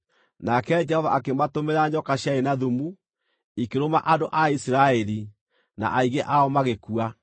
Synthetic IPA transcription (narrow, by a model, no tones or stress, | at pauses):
nakɛd͡ʒɛhɔvaʔakematomeɾaɲɔkaɕjaenaðumu | ikeɾomaʔandoʔaisiɾaɛɾi | na̰ʔaiɣeʔaɔmaɣekua